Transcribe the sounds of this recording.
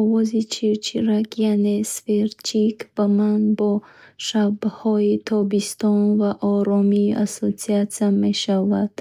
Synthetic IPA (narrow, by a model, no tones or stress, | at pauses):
ɔvɔzit͡ʃʰiɾt͡ʃʰiɾakjane̞sfeɾt͡ʃʰikb̥amanbɔʃabhɔit̪ʰɔbist̪ɔnvaʔɔɾɔmiːʔasot͡siat̪sijame̞ʃavad̪̥